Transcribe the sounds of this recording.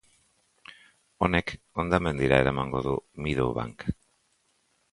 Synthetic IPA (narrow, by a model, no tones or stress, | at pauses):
o̞ne̞k | ond̪ame̞nd̪iɾae̞ɾamaŋɡo̞ðumiðoβa̰ŋk